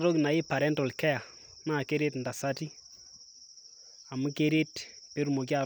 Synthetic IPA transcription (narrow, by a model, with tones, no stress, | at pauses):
ɾɔ˦kna˨ɪ˦pa˨ɾɛ˦ntɔ˨lkɛ˦ja˨ | naː˦˨ke˦ɾe˦tnda˨sa˦ti˦ | a˨mu˦ke˦ɾe˦tpe˦ɾu˨mo˨k̬i˦a˨